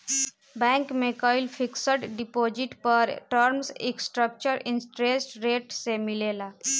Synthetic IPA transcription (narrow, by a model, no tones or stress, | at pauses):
bɛ̃ŋkmekɔilfʰiksəʈɖipod͡ʒiʈpəɾʈəɾmsḛksʈɾək̚t͡ʃəɾinsʈɾesʈɾeʈsemilela